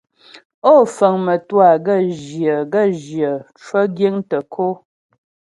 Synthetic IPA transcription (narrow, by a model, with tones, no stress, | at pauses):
o˦˨fə˨ŋmə˨twa˦˨ɡə˦˨ʒjə˨ɡə˦˨ʒjə˨t͡ʃwə˦ɡje˦ŋtə˨kʰo˦